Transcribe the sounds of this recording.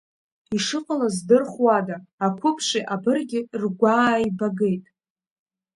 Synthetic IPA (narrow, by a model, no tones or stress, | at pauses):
iʂɨqʼalazdɨrχwadaːkʷʰʊpʰʂʷiʔabɨrɡʲɪrɡʷaːibaɡe̞jtʼ